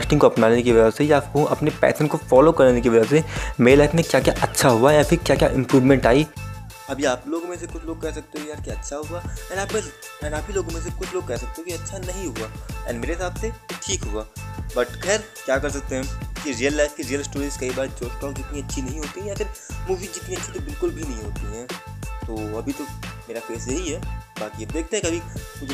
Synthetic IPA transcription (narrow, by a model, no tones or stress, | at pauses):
sʈɪ̃ŋkoɐpnaːnekeʋɐd͡ʒasejaːpkoʔɐpnepɛ̰ːsə̃ɳʈkofɔːlokɐɾnekeʋɐd͡ʒəsemeːɾelaːɪfmẽkjaːkjaʔɐtːʃʰaɦuajãfɪɾkjaːkja̰ʔɪ̃mpɾuːʋmɛ̃ɳʈaːi | ɐbʱiaːploːɡomẽs̬ekʊt͡ʃʰloːɡ̚kɛɦsɐk̚t̪eɦõkjaːɾkjaːɐtːʃʰaɦʊaɛːnaːp̚kɛs | ɛ̃ːnaːpiloːɡomẽs̬ekʊt͡ʃʰloːɡ̚kɛɦsɐk̚t̪eɦõkiɐtːʃʰanɐɦĩɦʊaːɛ̰ːnmeːɾeɦɪsaːbseʈʰiːkɦʊɡaːbɐʈkɛːɾ | kjaːkɐɾs̬ɐk̚t̪eɦɛ̃kiɾijəlːaːɪfkiɾijəlsʈoːɾĩskɐibaːɾt͡ʃoːsʈɔːkd͡ʒɪt̪niɐtːʃʰinɐɦĩɦoːt̪iɦɛ̃jaːfɪɾmuːʋiːd͡ʒɪt̪niɐtːʃʰit̪okbɪlkʊlbʱinɐɦĩɦoːt̪iɦɛ̃ːt̪oːɐbʱit̪omeːɾafeːsjeɦiɦɛːbaːkiɐb̚d̪eːk̚ʰt̪ẽɦɛ̃kiɐbʱikʊd͡ʒ